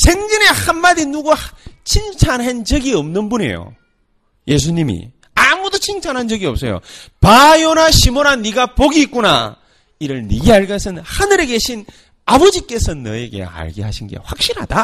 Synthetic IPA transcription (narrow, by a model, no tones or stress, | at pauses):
sʰeŋd͡ʑine̞hanmadinuɡot͡ɕʰint͡ɕʰanɦand͡ʑʌɡiʌmnɯnbune̞̰jo̰ | je̞s̬ʰuɲimḭ | amudot͡ɕʰint͡ɕʰanɦand͡ʑʌɡiʌp̚s͈ʌjo̰pajonaɕʰimonaniɡapoɡiːk͈̚una̰ | iɾɯɭniɡeaɭɡʌsʰɯnhanɯɾeɡe̞ɕʰin | abod͡ʑik͈e̞sʰʌnːʌ̰eɡe̞̰a̰ɭɡḭɦaɕʰinɡe̞̰ɸwak̚ɕ͈iɾɦa̰d̥a